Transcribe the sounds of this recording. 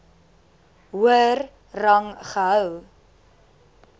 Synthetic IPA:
ɦuər | rɐŋχəɦəw

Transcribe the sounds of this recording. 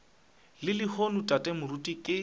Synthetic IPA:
lɪlɪhonutʼatʼɛmʊrutʼikʼɪ

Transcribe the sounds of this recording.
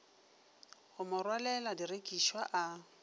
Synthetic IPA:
hʊmʊrwalɛladirekʼiʃwaʔa

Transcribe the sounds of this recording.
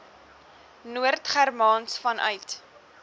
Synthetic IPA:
nuərtχærmɑnsfɐnʔœ̰ɥt

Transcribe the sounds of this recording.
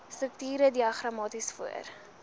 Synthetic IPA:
strək̚tiːɾədiɐχrɐmɑːtisfuə̰r

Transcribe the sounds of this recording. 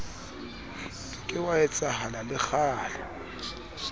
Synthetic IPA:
kʼɪwaɛt͡sʼaɦalalɪχʰaːla

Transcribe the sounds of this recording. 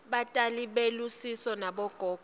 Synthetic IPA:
ɓatʼaliɓelusisɔnaɓɔɡ̥ʱɔːɡʱ

